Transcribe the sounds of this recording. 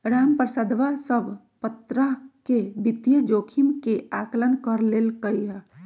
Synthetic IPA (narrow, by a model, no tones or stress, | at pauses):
ɾaːmpəɾsəd̪ʋasəbʱ | pət̪ɾəɦkebit̪jəd͡ʒoːkʰimkeaklənkəɾleːlkəiɦɛ